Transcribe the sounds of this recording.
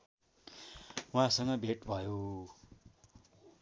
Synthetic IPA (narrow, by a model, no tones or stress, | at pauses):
wãsʌŋɡʌbʱeʈbʱʌjo